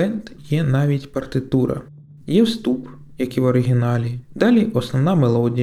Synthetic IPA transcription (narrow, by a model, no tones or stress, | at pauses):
ɛnt̪jɛnɑʋʲitʲpɐrt̪ɪt̪uɾɐ̰ | jɛwst̪up | jɐkiʋɔɾɪɦʲinɑlʲid̪ɑlʲiʔɔsnɔwnɑmelˠɔdʲij